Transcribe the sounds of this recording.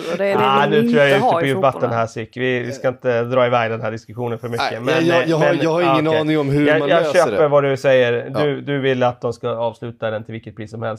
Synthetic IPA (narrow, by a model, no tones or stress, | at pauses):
anʉ̟t̪ʰɾuːjajʉːt̪əɔjʉbat̪ːənɦæːsʏkːvɪvɪskaɪnt̪əd̪ɾɑːɪvæɡd̪ɛnɦæːɖɪskɵɧuːnənfœɾmʏkːəmɛnjɑːɛnɑːɡhaɾɪŋːənɑːnɪŋɔmɦɵjɑːjɑːɡɕøːpəɾvad̪ɵsɛjːəɾd̪ɵd̪ɵvɪlːat̪̚d̪ɔmskaɑːvslʉ̟ːt̪ad̪ɛnt̪ʰɪlvɪlkət̪pʰɾiːsːɔmhɛlst̪